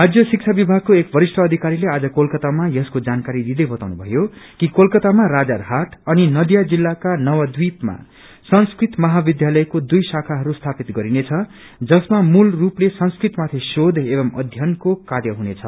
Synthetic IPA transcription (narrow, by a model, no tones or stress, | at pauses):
ɦad͡zjʌsik̚t͡sʰabibʱaɡ̚koekbʱʌɾisʈʰʌːd̪ʱikaɾilead͡zʌkolkʌt̪amajʌskod͡zankaɾid̪id̪ʌjbʌt̪awnubʱʌ̰jokikolkʌt̪amaɾad͡zarɦaʈʌninʌd̪jad͡zilːakanʌwad̪wipma̰ | sʌnskrit̪mʌɦabid̪ʱjalʌjkod̪ujsakʰaɦʌɾust̪ʰapit̪ɡʌɾinet͡sʰʌ | d͡zʌsmamulruplesʌnskrit̪mat̪ʰesod̪ʱebʌmʌ̰d̪ʱjʌnkokarjʌɦunet͡sʰʌ